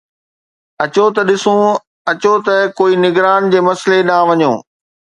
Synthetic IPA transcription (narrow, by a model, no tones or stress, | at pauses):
ɐt͡ɕot̪ɐɗɪsũ | ɐt͡ɕot̪ɐkoːinɪɡɾaːnd͡ʑeːmɐslenaʋɐɲo̰ː